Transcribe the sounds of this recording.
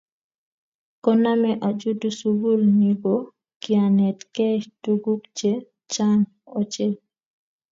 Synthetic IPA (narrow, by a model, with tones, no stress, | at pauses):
kɔ˦na˦mɛ˦ʔa˨d͡ʒu˦du˦su˦bu˦lni˨ɡo˨ | ki˨a˨nɛ˨tkɛ˦tu˦ɡu˦kt͡ʃe˦ | t͡ʃa˦n | ot͡ʃe˦